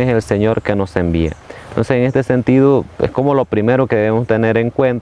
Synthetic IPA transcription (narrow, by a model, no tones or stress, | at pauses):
eselseɲo̞ɾke̞no̞se̞mbia̰nt̪ʰo̞nseseŋe̞st̪ese̞nt̪iðoḛsko̞mo̞lo̞pɾime̞ɾokeðeβemost̪e̞ne̞ɾe̞ŋkwe̞nt̪a